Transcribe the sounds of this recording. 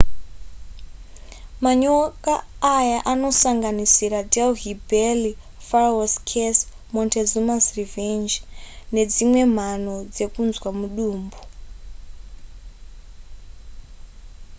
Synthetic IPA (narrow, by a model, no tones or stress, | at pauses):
maɲokaːjaʔanosaŋɡanisiɾadɛlɦibɛli | faraaskʰɛs | mɔntʰɛzumasrivɛnd͡ʒned͡zimwem̤anod͡zekunzwamuɗuːmbu